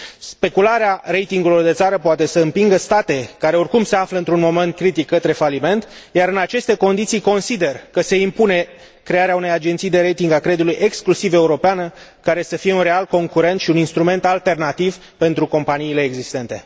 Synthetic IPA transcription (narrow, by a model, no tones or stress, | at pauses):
spe̞kulaɾeaɾe̞jt̪iŋɡulo̞rd̪e̞t̪saɾəpoat̪e̞səɨmpiŋɡəst̪at̪e̞kaɾe̞o̞rkumse̞afləɨnt̪ɾunmo̞me̞nt̪̚kɾit̪ikːət̪ɾe̞falime̞nt̪jaɾɨnat͡ʃe̞st̪e̞ko̞nd̪it̪sijko̞nsid̪e̞rkəse̞impune̞ | kɾe̞aɾeaune̞jad͡ʒe̞nt̪sijd̪e̞ɾejt̪iŋɡakɾed̪ulujʔe̞ksklusive̞uɾo̞peanəkaɾe̞səfije̞unre̞alko̞ŋkuɾe̞nt̪ʃiuninst̪ɾume̞nt̪alt̪e̞rnat̪iv | pe̞nt̪ɾuko̞mpaniːle̞ːɡzist̪e̞nt̪e̞